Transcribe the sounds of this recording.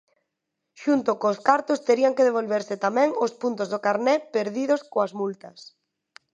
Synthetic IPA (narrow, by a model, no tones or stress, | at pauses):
ʃunt̪ʊkoskaɾt̪ost̪eɾiaŋkeðeβ̞olβeɾsɪt̪amɛ̃ŋospunt̪ozðokaɾnɛpeɾðiðʊskoazmult̪ɐs